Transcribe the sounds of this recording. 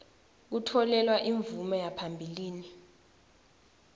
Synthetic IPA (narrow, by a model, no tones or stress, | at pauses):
k̬utʰɔlɛlwaʔiɱvumɔjapʰambʱiliːni